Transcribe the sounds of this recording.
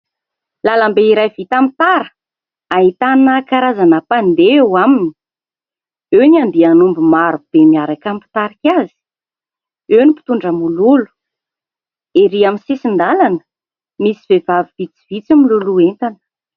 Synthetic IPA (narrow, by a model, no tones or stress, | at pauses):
lalambeiɾajvit̪amt̪aɾə | aɦit̪anəkaɾazanəpand̪eewamini̥ | ewniand̪ianumbumaɾud̪̥emiaɾakampi̥t̪aɾikʲazi̥ | ewnipi̥t̪uɳɖ͡ʐəmululu̥ | eɾiaminsesind̪alanə̥ | misiv̥evaviv̥it͡si̥vit͡similuluent̪anə̥